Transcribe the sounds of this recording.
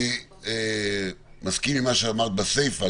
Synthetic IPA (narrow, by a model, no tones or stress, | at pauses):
e | maskimimaʃeamaʁt̪̚basejfa